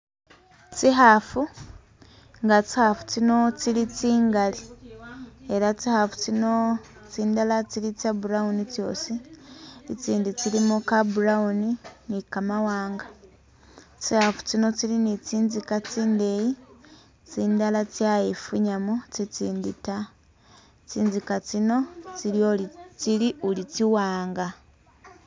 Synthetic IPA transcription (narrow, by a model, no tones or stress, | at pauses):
t͡siɦafu | ŋɡat͡si̥hafu̥t͡sino̞t͡siɾit͡siːŋɡali | e̞ɾat͡sihafu̥t͡sino | t͡siːndalat͡siɾit͡sjabuɾaunit͡sjo̞̰ːsi | it͡siːndit͡siɾimukabuɾauninikamawaːŋɡa | t͡sihafu̥t͡sino̞t͡silinit͡siːnzikat͡siːnde̞ji | t͡siːndalat͡sjajefuɲamut͡sit͡siːndita | t͡siːnzikat͡sino̞t͡siɾiot͡siɾiulit͡siwaːŋɡa